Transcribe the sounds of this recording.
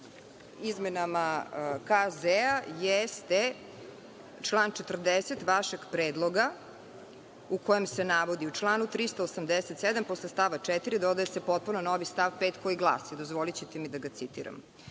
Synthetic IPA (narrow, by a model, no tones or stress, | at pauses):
izmenamakazeajest̪e | t͡ʃlˠaːnt͡ʃet̪r̩d̪eset̪ʋaʃeɡpɾeːd̪lˠo̞ɡa | ukojemsenaʋod̪iut͡ʂlˠaːnut̪ɾist̪oosamd̪eset̪sed̪amposlest̪aʋat͡ʂɛt̪iɾid̪od̪ajesepot̪̚punonoʋist̪aʋpeːt̪ko̞iɡlˠa̰ːsid̪ozʋolit͡ɕet̪emid̪aɡat̪sit̪iɾa̰m